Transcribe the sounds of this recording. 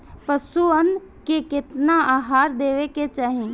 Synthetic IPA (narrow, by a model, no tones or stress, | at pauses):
pəsuən | kekɪt̪naaːɦaːɾd̪eːʋeket͡ʃaːɦĩ